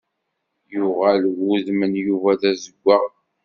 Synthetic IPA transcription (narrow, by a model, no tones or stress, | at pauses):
jʊʁælwuðmənjuvæðæzəɡʷːa